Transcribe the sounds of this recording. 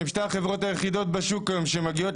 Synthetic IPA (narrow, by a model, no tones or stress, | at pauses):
imʃt̪aχe̞vʁo̞t̪ajeχid̪o̞t̪̚baʃukːajomʃemaɡio̞t